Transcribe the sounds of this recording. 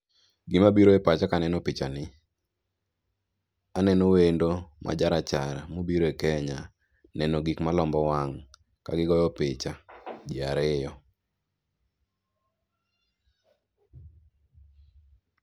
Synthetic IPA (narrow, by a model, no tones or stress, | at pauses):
ɡɪmabiɾoepat͡ʃakanɛnopɪt͡ʃanɪ | anɛnowendomʔa̰d͡ʒaɾat͡ʃaɾmobiɾoekɛɲa | nɛnoɡikmalɔmbɔwaŋ | ka̰ɡɪɡɔjɔpɪt͡ʃad͡ʒɪaɾɪjɔ